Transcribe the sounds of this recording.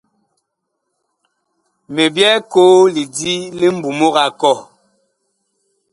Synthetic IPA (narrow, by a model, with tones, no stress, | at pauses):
me˨bjɛ˦ko˦li˨di˦li˦m̩˦bu˨mo˦ɣa˨kɔ˦˨